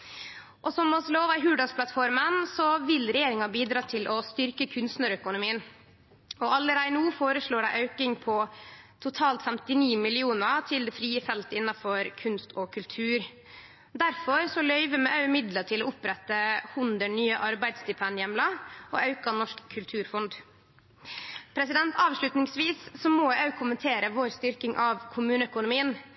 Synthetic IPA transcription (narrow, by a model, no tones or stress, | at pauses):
ʔɔsɔmɔsloːʋɑɪɦʉːɖɑspʰlɑt̪fɔɾmənsɔʋɪlɾɛjeːɾɪŋɑbiːd̪ɾɑːt̪ʰɪlʔɔst̪ʏɾkəkʰʉnst̪nəɾœkʊnʊmiːən | ɔɑlːəɾæɪnuːfoːɾəʂɭoːɖæɪʔɑʉkɪŋpʰɔt̪ʰʊt̪ʰɑːlt̪fɛmt̪ɪniːmɪlɪuːnət̪ʰɪld̪ɛːfɾiːəfɛlt̪əɪnːɑfɔɾkʰʉnst̪ɔkʰʉlt̪ʰʉːɾ | d̪æɾfɔɾsɔlœʏʋəmɛʔɑʉmɪd̪ləʈ̪ʰɪloːʊpɾɛt̪ːəhʉnd̪əɳyːəʔɑɾbæɪd̪sd̪ɪpʰɛnjɛmlɑɔ̰ːʔɑʉkɑnɔʂkʰːʉlt̪ʰʉːɾfɔnd̪ | pʰɾɛsɪd̪ɛnt̪ʰɑːʋʂlʉt̪nɪŋsʋiːssɔmɔːæʉkʰʊmənt̪ʰeːɾəʋoːɾst̪ʏɾkɪŋʔɑʋkʰʊmʉːnəœkʊnʊmiːən